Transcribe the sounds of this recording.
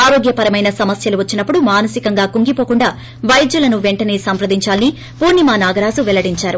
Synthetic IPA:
aːɾo̞ːɡjɐpɐɾɐmɐjnɐsɐmɐsjɐluʋɐt͡ʃːinɐpːuɽumaːnɐsikɐŋɡaːkuŋɡipo̞ːkuɳɖaː | ʋɐjd͡ʒ̪julɐnuʋeɳʈɐne̞ːsɐmpɾɐd̪iɲt͡ʃaːlɐni | puːɾnimaːnaːɡɐɾaːzuʋɛlɐɽiɲt͡ʃaːɾu

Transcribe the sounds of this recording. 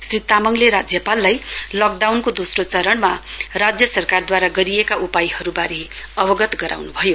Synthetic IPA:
srit̪amʌŋleɾad͡zjʌpalːajlʌk̚ɖawnkod̪osrot͡sʌɾʌɳmarad͡zjʌsʌrkard̪waɾaɡʌɾiekaʔupajhʌɾubaɾe | ʌbʌɡʌt̪ɡʌɾʔa̰wnubʱʌjo

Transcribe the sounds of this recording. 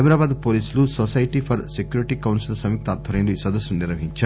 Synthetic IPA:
jbɾaːbaːd̪poːliːslusosɐjʈipʰɐɾsekjuːɾiʈiːkɐwnsilɐsɐmiːk̚t̪aːd̪ʱʋɐɾɐjluisʋɐd̪ɐsːuniɾʋɐɦiɲt͡ʃaː

